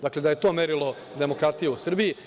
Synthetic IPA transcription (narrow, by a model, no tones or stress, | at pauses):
d̪akle̞d̪aje̞t̪oːmeɾilo̞ | d̪e̞mokɾat̪ijeusr̩biji